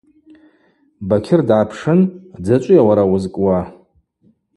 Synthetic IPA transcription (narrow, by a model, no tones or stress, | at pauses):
bakʲʰɪrdʕapʰʂɨnd͡zat͡ʃʷʼʊjawaɾawʊzkʼwa